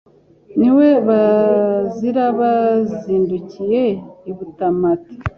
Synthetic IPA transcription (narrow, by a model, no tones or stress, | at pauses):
niwe̞βa | ziɾaβaziːnducije̞iβutamati̥